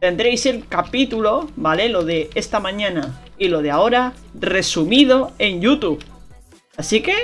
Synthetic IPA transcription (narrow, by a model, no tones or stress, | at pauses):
t̪e̞nd̪ɾe̞jse̞lkapit̪ulo̞bale̞lo̞ðe̞est̪amãɲãna | ilo̞ð̞eao̞ɾa | re̞sumið̞o̞e̞nʎut̪uβ | asike̞